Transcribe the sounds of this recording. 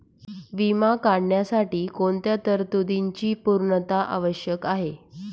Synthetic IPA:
ʋimakaɽɳjasaʈiːkoɳt̪jat̪əɾt̪ud̪iɲt͡ɕiːpuɾɳət̪aʔa̰ʋəɕjəkaɦe

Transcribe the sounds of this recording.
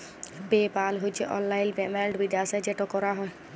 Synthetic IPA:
bepalɦojt͡ʃʰeʔɔ̰lːajlbɛmɛlɖbid̪asad͡ʒɛʈɔkɔɾaɦɔj

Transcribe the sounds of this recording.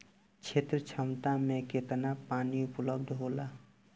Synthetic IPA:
t͡ʃʰet̪ɾət͡ʃʰəmt̪amẽket̪napaːniʊpləb̚d̪ʱɦoːlaː

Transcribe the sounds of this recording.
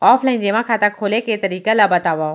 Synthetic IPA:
ɔːpʰlaɪnd͡ʒeʋãkʰaːt̪akʰoːleket̪ɐɾiːkalabɐt̪aːʋa

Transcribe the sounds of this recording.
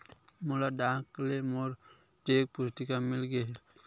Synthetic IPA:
molaɖaklemoɾ | ʈeːk̚pʊst̪ikamɪlɡeɦe

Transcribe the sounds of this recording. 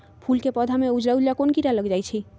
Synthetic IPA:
pʰulkepɔd̪ʱameud͡ʒɾaulakonkiɾaləɡd͡ʒajt͡ʃʰi

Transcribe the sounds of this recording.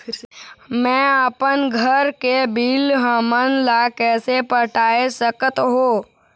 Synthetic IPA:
mɛ̃ːəpənɡʱəɾkebʱiːlɦaːmənlakɛːsepəʈʰaːesəkət̪ɦoː

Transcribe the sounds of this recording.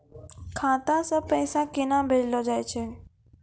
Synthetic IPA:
kʰãːt̪ãsə̃pəɪsãkɪnãbʱed͡ʒlod͡ʒaːjt͡ʃʰe

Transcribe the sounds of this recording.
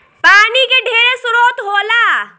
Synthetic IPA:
paːnikeɖʱeːɾesʊɾoːt̪ɦoːlaː

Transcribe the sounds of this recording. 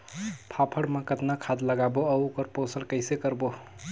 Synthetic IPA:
pʰapʰəɽmekət̪nakʰad̪ləɡaboəukəɾposəlkəɪsekəɾbo

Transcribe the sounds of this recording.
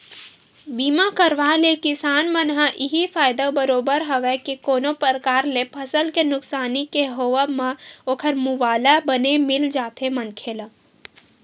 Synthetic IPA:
biːmakəɾʋalekɪsaːnmənɦãʔiɦipʰaːjd̪abəɾoːbəɾɦəʋɛkikoːnopɾəɾəkaːɾlepʰəsəlkenʊksaːnikeɦoʋəmə̃oːkʰəɾmuʋaːlabənemɪld͡ʒaːt̪emənkʰeːlə

